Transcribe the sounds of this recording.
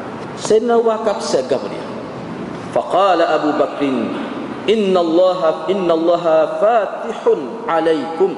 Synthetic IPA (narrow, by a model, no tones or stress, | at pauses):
sadnawakabsaɡabɾḭja̰ | fɑqɑːlaʔabuːbakɾɪn | ʔɪnːalˤːɑːɦɪnːalˤːɑːɦafaːt̪ɪħʊn | ʕalajkʊm